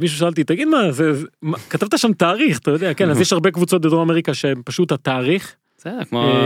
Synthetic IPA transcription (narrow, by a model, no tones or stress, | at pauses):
miʃuʃalt̪it̪aɡid̪mazemakat̪avt̪aʃamt̪aːʁiχat̪ajod̪eakenazjeʃhaʁbekvut͡so̞t̪̚bed̪ʁoameʁikaʃeempaʃut̪hat̪aːʁiχ | sedkmo